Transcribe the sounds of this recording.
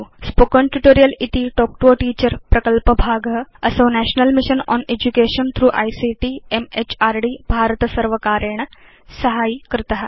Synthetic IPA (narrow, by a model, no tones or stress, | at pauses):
spokəɳʈuʈoːɾijəlit̪iʈɔːk̚ʈuoʈiːt͡ɕəɾpɾɐkəlpəbʱaːɡəəsənæɕnəlmiɕənɔ̰ːned͡ʑukeːʃənt̪ʰɾuːʔa̰jsiʈiːemet͡ɕaːɾɖiːbʱaːɾət̪əsəɾʋəkaːɾəɳ̃ | səɦaːikəɾt̪aɦa